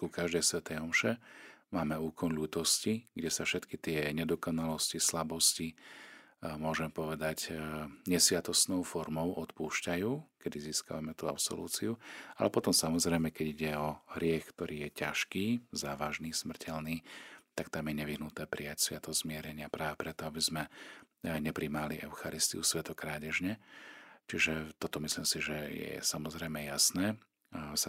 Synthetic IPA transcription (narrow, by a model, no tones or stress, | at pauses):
kukaʒd̪ɛjsʋɛt̪ɛjɔmʃɛmaːmɛuːkʰɔnʎuːt̪ɔsciɡɟɛsafʃɛt̪kit̪ɪɛɲɛd̪ɔkɔnalɔscislabɔsci | mʊɔʒɛmpɔʋɛd̪acɲɛsʋɪat̪ɔsnɔʊfɔɾmɔʊʔɔt̪puːʃcajuːkɛd̪iziːska̰ʋamɛt̪uːa̰psɔ̰lṵːt͡siualɛpɔt̪ɔmsamɔzɾɛjmɛkɛɟiɟɛɔɦɾɪɛxkt̪ɔɾʔiːjɛcaʃkiːzaːʋaʒniːsmr̩cʰɛlniːt̪akt̪amjɛɲɛʋiɦnut̪nɛːpɾijacsʋɪat̪ɔzmɪɛɾɛɲɪapɾʔaːʋɛpɾɛt̪ɔabizmɛ | ɲɛpɾimaliʔɛʊxaɾist̪ḭusʋɛt̪ɔkɾaːɟɛʒɲɛt͡ʃiʒɛt̪ɔt̪ɔmisliːmsiʒɛjɛ̰samɔzɾɛjmɛjasnɛː | sa